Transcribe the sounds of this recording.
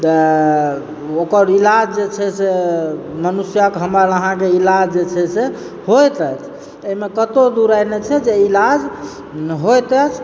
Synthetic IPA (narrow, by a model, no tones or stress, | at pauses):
t̪ə | okəɾilad͡ʒd͡ʒet͡ʃʰɛsemənusjəkɦəmɾaɾəɦãkeilad͡ʒd͡ʒet͡ʃʰɛse | hojt̪ət͡ʃʰ | eimekət̪od̪uɾajnet͡ʃʰɛd͡ʒeilad͡ʒ | ɦojt̪ət͡ʃʰ